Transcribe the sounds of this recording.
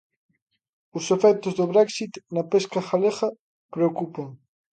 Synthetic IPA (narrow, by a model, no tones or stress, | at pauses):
ʊsefɛt̪ʊzðoβɾɛksit̪nɐpeskɐxaleɣɐ | pɾeokupoŋ